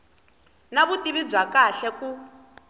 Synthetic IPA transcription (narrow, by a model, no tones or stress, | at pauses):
naβutiβib͡ʐwakaɬɛku